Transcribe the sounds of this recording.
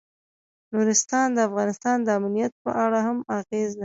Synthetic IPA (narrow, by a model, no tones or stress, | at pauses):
nuɾɪst̪ɑnd̪əafɣɑnɪst̪ɑnd̪əamnijat̪̚pə̰ʔaɽahamaɣezna